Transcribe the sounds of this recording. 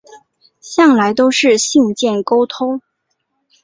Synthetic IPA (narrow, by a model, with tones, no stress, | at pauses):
ɕjɑ˥˩ŋla˧˥ɪt̪o˥ʊʂɻ̩˥˧ɕi˥˧ŋt͡ɕjɛ˥˩nko˥ʊt̪ʰo˥ŋ